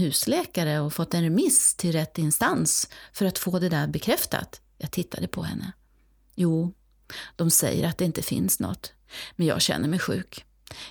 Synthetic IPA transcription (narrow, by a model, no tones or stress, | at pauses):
hʉ̟ːslɛːkaɾəɔfɔt̪ːɛnɾɛmɪst̪ʰɪlɾɛt̪ːɪnst̪ansfœɾat̪foːd̪ɛd̪æɾbɛkʰɾɛft̪a̰t̪ | jɑːɡt̪ʰɪt̪ʰːad̪əpʰɔhɛ̰nːə | juː | d̪̥ɔmsɛ̰jːə̰ɾat̪̚d̪ɛɪnt̪əfɪ̰nsnɔ̰t̪ː | mɛnjɑ̰ːɡɕɛ̰nːəɾmɛjɧʉ̟̰ːk